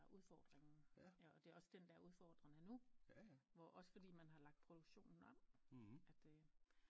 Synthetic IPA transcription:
uð̞ˠfɒːd̥ʁeŋn̩ɒd̥e̝ɒ̽səd̥end̥ææɐuð̞ˠfɒːd̥ʁɐŋænu | ʋɒʔɒ̽sə̥fɒ̽d̥ḭːmænɦɑ̈lɑ̈ɡ̥̚d̥̚pʰʁo̝d̥uɡ̥ɕo̝̰ːnn̩ɒ̽m̰æd̥

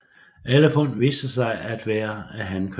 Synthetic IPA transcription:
ʔeləfonʋḭːsd̥əsɑ̈ɪʔæd̥ʋæːɐæɦænkʰ

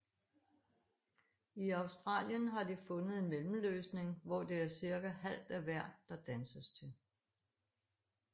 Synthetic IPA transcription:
iɑ̈ʊsd̥ʁɑ̰̈ːljənɦɑ̈difɔ̽nəð̩ˠe̝nmelm̩løːsne̝ŋʋɒd̥e̝æɐsiɐɡ̥æhæl̰d̥æʋæɐ̰̥ːɑ̈d̥ænsəst͡sʰe̝l

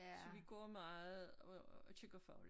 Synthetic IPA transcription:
sɒʋiɡ̥ɔ̰ːmɑ̈ːð̩ˠɔt͡ɕʰeŋɡ̥ɐfɑ̈ʊl

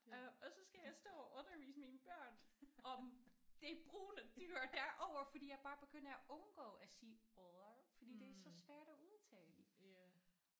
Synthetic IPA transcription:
ɒ̽sɒ̽sɡ̥æjɑ̈ɪsd̥ɔ̰̽ːʔɔ̽nɐʋḭːsəminb̥ɶɐ̰nɒ̽md̥e̝b̥ʁṵːnəd̥yɐ̰d̥æʔɒʊ̰ɐfɒdḭːjɑ̈ɪb̥ɑ̈ːb̥e̝ɡ̥øn̰ɐæʔɔ̽nɡ̥ɔ̰̽ːæsiːɒðˠɐfɒd̥ḭːd̥e̝æsɒ̽sʋæɐ̰ɾ̥æʔuðˠt͡sʰɛ̰ːd̥i

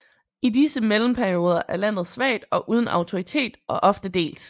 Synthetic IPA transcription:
idisəmelm̩pʰæɐio̝ːð̞ˠɐʔæɐlæn̰ð̞̩ˠsʋɛ̰ːd̥ɒ̽ʔuːð̞ˠn̩ɑ̈ʊt͡sʰo̝ʁit͡sʰe̝̰ːd̥ʔɒʔɒ̽fd̥əd̥e̝̰ːld̥

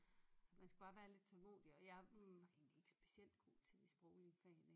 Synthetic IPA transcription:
sɒ̽mænsɡ̥ub̥ɑ̈ʋæːɐle̝d̥̚t͡sʰɒ̽lmo̝̰ːd̥iɒ̽jɑ̈ɪʋɑ̈e̝ːnlie̝ɡ̥ə̥sb̥e̥siel̰d̥̚ɡ̥o̝̰ːt͡sʰe̝disb̥ʁɔʊliəfɛne

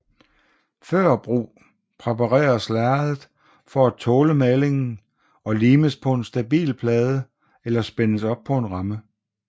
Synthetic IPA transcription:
fɶɐ̰b̥ʁṵː | pʰʁepʰɑʁɛ̰ːɐslæɐðˠð̩ˠ | fɒæt͡sʰɔːləmæle̝ŋn̩ | ɒ̽liːməspʰɒ̽e̝nsd̥æb̥ḭːlpʰlɛːð̞ˠə | elɐsb̥enəsɒ̽b̥̚pʰɒ̽e̝nʁɑ̈mə

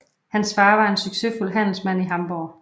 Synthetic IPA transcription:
hænsfɑ̈ːʋɑ̈e̝nsyɡ̥se̝fulɦæn̰l̩smæn̰iɦɑ̈mb̥ɒː

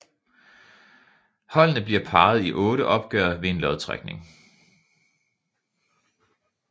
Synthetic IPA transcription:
hɒ̽l̰nəb̥liɐpʰɑ̈ːð̞̩ˠiʔɔ̽ːɾəʔɒ̽b̥̚ɡ̥œːɐʋe̝e̝nlɒðˠt͡sʰʁa̰ɡ̥̚ne̝ŋ

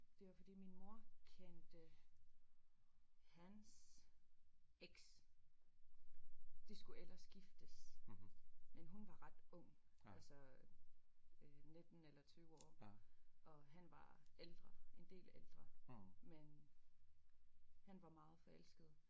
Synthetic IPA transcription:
d̥e̝ʋɑfɒd̥ḭːminmo̝ɐ̰kʰend̥ə | hæns | eɡ̥s | d̥esɡ̥uelɐsɡ̥ifd̥əs | menɦunʋɑ̈ʁɑ̈d̥ɔ̽ŋ̰ælsə | ne̝d̥n̩elɐt͡sʰyːʊɒ̰ːʔɒ̽ɦænʋɑ̈eld̥ʁɐe̝nd̥e̝̰ːleld̥ʁɐmen | hænʋɑ̈mɑ̈ːð̞̩ˠfɒ̽el̰sɡ̥əð̩ˠ

